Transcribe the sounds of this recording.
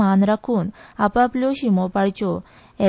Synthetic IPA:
anɾakʰuːnapapljoɕimopaɽt͡ɕɔ | ɛ

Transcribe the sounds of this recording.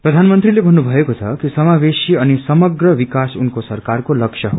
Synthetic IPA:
prʌd̪ʱanmʌnt̪ɾilebʱʌnːubʱʌekot͡sʰʌ̰kisʌmabesiʌnisʌmʌɡrʌʋikasunkosʌrkarkolʌkʂʰjʌɦo

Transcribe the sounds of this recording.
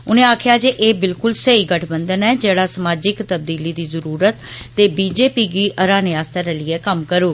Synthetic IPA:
ʊnẽːaːkʰɪjaːd͡ʒeʔeːbɪlkʊlsəiːɡəʈʰbənd̪ənɛːd͡ʒeːɽaːsəmaːd͡ʒɪkt̪əb̚d̪iːliːd̪iːzəɾuːɾət̪ːeːbiːd͡ʒeːpiːɡiːəɾãːneːaːst̪əɾɛlɪɛːkəmkəɾoːɡi

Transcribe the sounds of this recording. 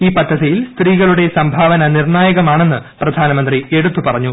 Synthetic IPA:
iːpɐd̪ːɐðijilst̪riːɣɐɭuɽe̞sɐmbʱaːʋɐnɐnirɳaːjɐɣɐmaːɳe̞nːɨprɐd̪ʱaːnɐmɐnd̪rie̞ɽut̪ːupɐrɐɲːu

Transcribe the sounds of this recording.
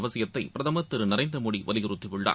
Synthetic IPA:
ʋɐsɪjɐt̪ːɐɪpɪɾɐðɐmɐt̪ːɪɾɯnɐɾɐɪnd̪ɾɐmoːɽiʋɐ̰lɪɣɪɾɯt̪ːɪʋɯɭːa̰ː

